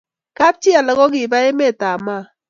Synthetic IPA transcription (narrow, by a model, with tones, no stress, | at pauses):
ka˦p̚t͡ʃɪ˦a˨lɔ˨˦kɔ˦k̬ɪ˨ba˦e˦me˦˨ta˨ma˦˨